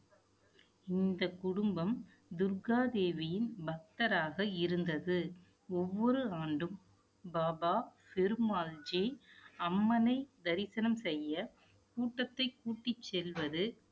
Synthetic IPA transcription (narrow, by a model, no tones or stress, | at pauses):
ɪnd̪ɐkʊɽʊmbɐm | d̪ʊɾɡaːd̪eːʋɪjɪnbɐk̚t̪ɐɾaːɣɐɪɾɯnd̪ɐðɯ | ɔʋːɔɾɯaːɳɖɯm | baːbaːfɪɾɯmaːld͡ʒiɐmːɐnɐɪd̪ɐɾɪsɐnɐmsɛjːɐ | kuːʈːɐt̪ːɐɪkuːʈːɪt͡ʃːɛlʋɐðɯ